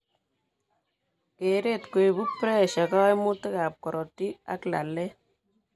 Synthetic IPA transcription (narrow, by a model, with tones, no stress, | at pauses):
ke˨ɾe˦tku˨i˨bu˦pɾɛ˦ʃa˨kaː˦jmu˦tɪ˦ka˨p̚kɔ˨ɾɔ˨tːi˦a̰˦kla̰˨lːɛ˦